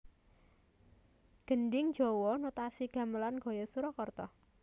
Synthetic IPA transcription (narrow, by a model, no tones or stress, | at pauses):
ɡ̥ə̤ɳɖɪŋ̥d͡ʒ̥ɔwɔnot̪asiɡ̥a̤məlanɡ̥ɔ̤jɔsuɾɔkɔrt̪ɔ